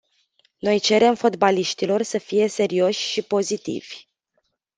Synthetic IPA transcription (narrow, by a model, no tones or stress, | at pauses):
no̞jt͡ʃe̞ɾe̞mfo̞t̪baliʃt̪ilo̞rsəfije̞se̞ɾio̞ʃʲʃipo̞zit̪ḭv̥ʲ